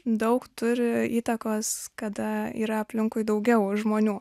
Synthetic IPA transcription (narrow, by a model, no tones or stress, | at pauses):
d̪ɐʊkt̪ʊɾʲɪiːt̪ɐkoːskɐd̪ɐḭːɾɐɐpʲlʲɪŋkʊɪd̪ɐʊɡʲɛʊʒmoːnʲuː